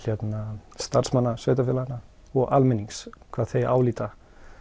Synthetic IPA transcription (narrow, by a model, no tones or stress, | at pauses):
jɛt̪nast̪ar̥smanːasœːɥt̪afɪlana | ɔɣalmɛnːiŋskʰvaːðθeja̰ːwliːt̪a